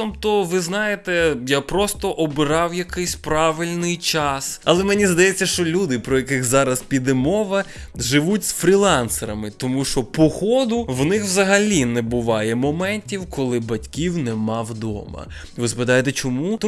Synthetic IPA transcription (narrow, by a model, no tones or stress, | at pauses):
ɔmt̪ɔʋɪznɑjet̪ɛjapɾɔst̪ɔʔɔbɪɾɑwjɐkɪjsʲpɾɑʋɪlʲnɪjt͡ʃɑsɐlˠɛmɛnʲizd̪ɐjɛt͡sʲːɐʃt͡ʃɔlʲud̪ɪpɾɔjɐkɪxzɑɾɐspʲid̪ɛmɔʋɐ | ʒɪʋutʲsfɾʲilˠɑnseɾɐmɪt̪ɔmuʃt͡ʃɔpɔxɔd̪ʊwnɪxwzɐɦɐlʲinɛbʊʋɑjɛmɔmɛnʲtʲiwkʰɔlˠɪbɐtʲkʲiwnɛmɑwd̪ɔ̰mɐ̰ | ʋɪzɐpɪd̪ɑjet̪ɛt͡ʃɔmut̪